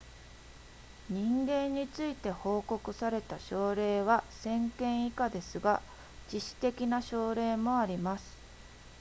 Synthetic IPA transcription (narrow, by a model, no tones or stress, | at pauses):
ɲ̟ĩŋɡẽ̞ɲ̟ːit͡sɨit̪e̞ho̞ːko̞kɯ̟saɾe̞t̪aɕo̞ːɾe̞ːβasẽ̞ŋkẽ̞ɰ̃ikad̪e̞sɨɡa | d͡ʑiɕi̥t̪e̞kʲinaɕo̞ːɾe̞ːmo̞aɾʲimasɨ̥